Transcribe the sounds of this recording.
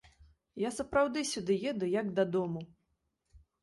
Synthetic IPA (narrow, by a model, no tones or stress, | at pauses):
jasɐpɾawd̪ɨsʲud̪ɨjɛd̪ujɐɡd̪ɐd̪ɔmu